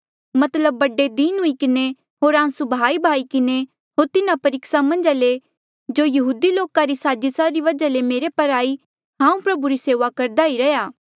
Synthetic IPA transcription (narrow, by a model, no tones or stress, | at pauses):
mɐt̪ləbːɐɖed̪iːnɦʊikɪne | ɦoːɾãːsubʱaːibʱaːikɪne | ɦoːɾt̪ɪnapɐɾɪːksamɐ̃nd͡ʒale | d͡ʒoːjɐɦuːd̪iloːkaɾisaːd͡ʒɪsaɾiʋɐd͡ʒalemeːɾepɐɾaːi | ɦãːũpɾɐbuɾiseːʋakɐɾd̪aiɾɐjaː